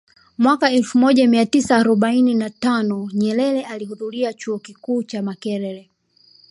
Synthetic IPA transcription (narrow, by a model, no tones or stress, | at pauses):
mwakaɛlfumɔʄamiatisaːɾɔɓaininatanɔɲɛlɛlɛʔalihuðuɾiat͡ʃuɔkikuːt͡ʃamakɛɾɛlɛ